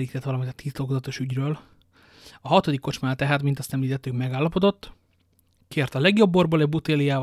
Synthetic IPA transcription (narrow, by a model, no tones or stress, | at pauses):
ɾiːt̪ɛt̪ʋɒlɒmint̪t̪ʰiːt̪lokozɒt̪o̞ʃyɟrøːl | ɒɦɒt̪o̞d̪ikːo̞t͡ʃmaːlt̪ɛɦaːt̪mint̪ɒst̪ɛmliːt̪ɛt̪ːykmɛɡaːlːɒpo̞d̪o̞t̪ː | keːrt̪ɒlɛɡjo̞bːorboːlɛɟbut̪eːlijaːv